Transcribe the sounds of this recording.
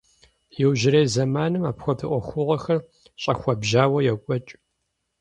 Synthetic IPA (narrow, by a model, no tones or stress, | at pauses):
jɪwʒɪɾeːzɐmaːnɨmaːpxʷɔdʰɨʔʷɔxʷʊʁɐxɐr | ɕʼɐxʷɐbʒaːwɐjɛkʷʼɔt͡ʃʼ